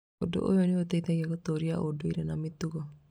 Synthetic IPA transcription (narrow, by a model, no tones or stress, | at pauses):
o̰do̰ʔo̰joniot̪eit̪aɣiakot̪oɾiaʔodoiɾenamit̪uɣɔ